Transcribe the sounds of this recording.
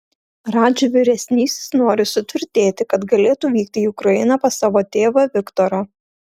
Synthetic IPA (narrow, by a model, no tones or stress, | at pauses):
ɾɑːd͡ʒʲuʋʲɪɾʲɛsʲnʲiːsʲɪ̥snoːɾʲɪsʊt̪ʲʋʲɪɾʲt̪ʲeːt̪ʲɪkɐt̪ɡɐlʲeːt̪uːʋʲiːkt̪ʲɪiʊkɾɐjɪnɐpɐsɑːʋoːt̪ʲeːʋɐʋʲɪkt̪ɔɾoː